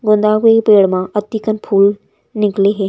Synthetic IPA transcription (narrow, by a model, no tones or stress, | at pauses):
ɡʊnd̪aːʋepeːɽmãːʔət̪iːkənpʰuːl | nɪkleːɦeː